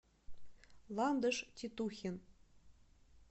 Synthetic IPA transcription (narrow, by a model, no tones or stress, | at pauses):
lˠɑnd̪ɤ̆ʂtʲit̪uxʲin